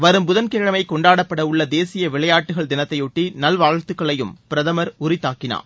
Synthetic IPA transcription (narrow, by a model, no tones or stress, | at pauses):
ʋɐɾɯmbʊðɐnkeːɻɐmɐɪkɔɳɖaːɽɐpːɐɽɐʊɭːɐd̪eːsɪjɐʋɪɭɐjaːʈːɯɣɐɭd̪ɪnɐt̪ːɐɪjʊʈːinɐlʋaːɻt̪ːɯkːɐɭɐjɯmpɪɾɐðɐmɐɾʊrɪt̪ːaːkːɪna̰ː